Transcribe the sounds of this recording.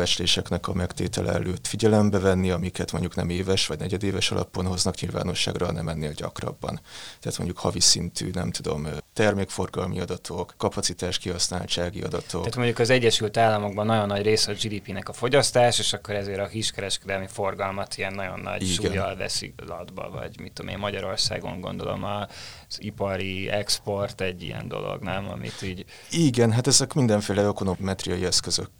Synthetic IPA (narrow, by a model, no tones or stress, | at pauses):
ɛt͡ʃleːʃɛknɛkɒmɛkt̪eːt̪ɛlʔɛ̰ɛ̰løːt̪fiɟɛlɛmbɛvɛnːiɒmikɛt̪mo̞ɲɟuknɛmeːvɛʃʋɒɟnɛɟɛd̪eːvɛʃɒlʔɒ̰po̞nɦo̞znɒkɲilva̰ːno̞ʃːa̰ːɡrɒnɛmɛnːeːlɟɒ̰krɒ̰bːɒ̰nt̪ɛaːt̪mo̞ɲɟukhɒvisint̪ʰy̰nɛmt̪ud̪o̞̰mt̪ɛrmeːkfo̞rɡɒlmiɒd̪ɒt̪ʰo̞kːɒpɒtsit̪aːʃkiɦɒsnaːlt͡ʃaːɡiɒ̰d̪ɒt̪ok̪at̪mo̞ɲɟukɒzɛɟːɛʃylt̪aːlːɒmo̞ɡ̚bɒnːɒɟo̞nːɒɟreːsɛɒd͡ʒiːd̪iːpinɛkɒfo̞ɟɒst̪aːʃeːʃɒkːo̞ɾɛzeːɾɒhiʃkɛɾɛʃkɛd̪ɛlmifo̞rɡɒlmɒt̪iɛnːɒɟo̰nːɒ̰ɟiʃːuɡɛːjɒlvɛ̰sḭlɒd̪bɒ̰vɒ̰ɟmit̪ːomḛːmːɒɟɒɾo̞rsa̰ːɡo̞̰ŋɡo̞̰nd̪o̞lo̞̰mɒ | z̥ipɒɾiɛkspo̞rt̪ɛɟːḭjɛ̰nd̪o̞̰lo̰ɡnamɒ̰mḭt̪iːɟ | iːɡɛnɦat̪ɛzɛkmind̪ɛɱfeːlɛøkonomɛt̪rijɒjiɛskøzøk